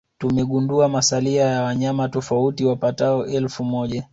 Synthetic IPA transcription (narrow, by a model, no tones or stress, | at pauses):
tumɛɠunduamasaliajawaɲamatɔfautiwapataɔʔɛlfumɔʄa